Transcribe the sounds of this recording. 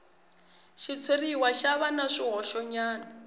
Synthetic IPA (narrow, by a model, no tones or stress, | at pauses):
ʃit͡sʰeriwaʃaβanaʂiɦɔʃɔɲaːna